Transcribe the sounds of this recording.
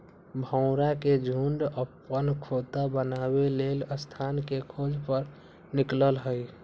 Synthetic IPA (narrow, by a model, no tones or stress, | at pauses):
bʱə̃ʊ̃ɾaked͡ʒʱuɳɖəpːənkʰot̪abənabeleləst̪ʰankekʰod͡ʒpəɾ | nikləlɦəj